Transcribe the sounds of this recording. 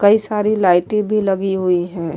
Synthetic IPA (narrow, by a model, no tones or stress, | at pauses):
kɐisaːɾilaːɪʈẽbʱilɐɡiɦuiɦɛ̃ː